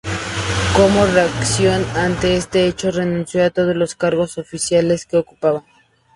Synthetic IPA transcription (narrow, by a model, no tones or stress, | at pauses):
komoreaksjonant̪e̞est̪e̞et͡ʃore̞nũnsjoat̪oð̞ozloskaɾɣo̞sofisjale̞ske̞oku̥paβaŋ